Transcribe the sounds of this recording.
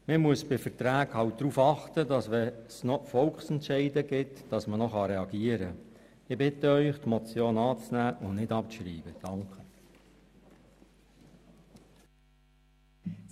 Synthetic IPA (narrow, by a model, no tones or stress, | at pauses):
məmuəsb̥ɪfəɾtɾæːɡhɑlwt̚d̪ɾuːfɑχtədɑsʋɛsnɔfɔlkχsɛntʃɛɪdəɡɪtd̥ɑsmənɔχɑɾɛɑɡiːəɾə | ɪbɪtəœʏχtmɔt͡sjoːnɑːt͡snæːʔʊnnɪdɑp̚ʃɾiːb̥əd̥ɑŋkʰə